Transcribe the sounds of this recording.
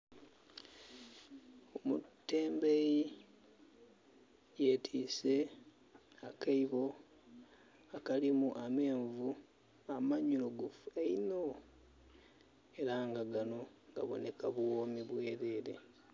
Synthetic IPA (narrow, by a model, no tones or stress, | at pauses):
omṵtːe̞ːmbeji | je̞tʰiːse̞ | akʰaiβo̞ | akalimuʔame̞ːɱvu | amaɲuluɡufueino | eɾaŋɡaɡano̞ | ŋɡa̰βo̞̰ne̞kaβwoːmiβwe̞ːɾe̞ːɾe̞̰